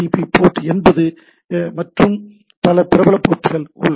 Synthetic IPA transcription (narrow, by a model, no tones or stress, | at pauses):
ipipːoːʈːɛnbɐðɯ | mɐʈrɯm | pɐlɐpɪɾɐbɐlɐpːoːʈːɯɣɐɭʊ̰l